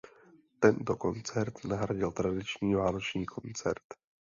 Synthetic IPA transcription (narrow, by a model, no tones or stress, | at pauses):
t̪ɛnt̪oko̞nt͡sɛɾt̪naɦɾaɟɪlt̪ɾadɪt͡ʃɲiːvaːno̞t͡ʃɲiːkʰo̞nt͡sɛ̰ɾt̪